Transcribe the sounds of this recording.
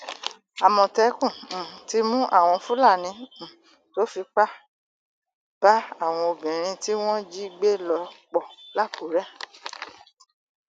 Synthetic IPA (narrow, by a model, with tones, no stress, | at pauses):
a˨mɔ̃˧˨tɛ˧˦kũ˦˨ti˧˦mũ˦ʔa̰˦˨w̃ɔ̃˧fũ˦la˦˨nĩ˨˧˦ | to˨˦fi˧k͡pa˦ | b̥a˦a˦˨w̃ɔ̃˧o˧bĩ˨ɾ̃ĩ˧ti˦w̃ɔ̃˦d͡ʒi˦i˧ɡ͡be˦lɔ˧k͡pɔ˨la˦˨ko˨˦ɾɛ˦